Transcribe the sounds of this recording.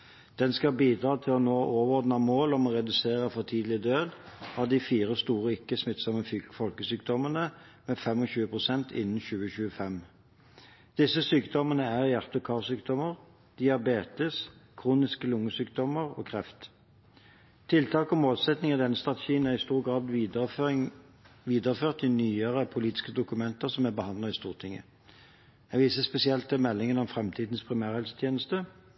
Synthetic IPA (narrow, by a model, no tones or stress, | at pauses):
d̪̥ɛnskɑlbiːd̪ʁɑːt̪ʰɪlɔnoːʔoːʋɔʁd̪nɑmoːlɔmɔʁɛd̪ʉseːʁəfɔt̪ʰiːd̪lɪəd̪øːd̪ɑd̪ɪfiːʁəst̪uːʁəɪkːəsmɪt̪sɑmːəfyfɔlkəsyːk̚d̪ɔmənəmeːfɛmɔɕʉːəpʰʁʊsɛnt̪ʰɪ̰nːn̩ɕʉːəɕʉːəfɛm | d̪̥ɪsːəsyːkt̪ɔmənəæʁjæʁt̪əkʰɑːʁsyːkd̪ɔməʁ | d̪̥ɪɑbeːt̪ɪskʰʁuːnɪskəlʊŋːəsyːkd̪ɔməʁɔ̰ːkʰʁɛft̪ | t̪ʰːɪlt̪ʰɑːkɔmoːlsɛt̪nɪŋɑd̪ɛnːəst̪ʁɑt̪əʃiːənæʁɪst̪uːʁɡʁɑːd̪ | ʋiːd̪əʁəføːʁt̪ɪnyːəʁəpʰʊliːt̪ɪ̥skəd̪ʊkʉmɛnt̪əʁsɔmæbəhɑnd̪ləʁɪst̪uːʁt̪ʰɪŋə̰ | ɛʋiːsəspɛsɪɛlt̪mɛlːɪŋənɔmfʁɛmt̪ʰiːd̪nspʰʁɪmæːʁhɛlsə̥t̪ʰjeːnəst̪ə